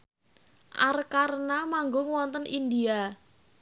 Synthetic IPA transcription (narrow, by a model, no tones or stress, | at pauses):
ʔa̰rkaɾnamaŋɡoŋwɔnt̪ənʔind̪ia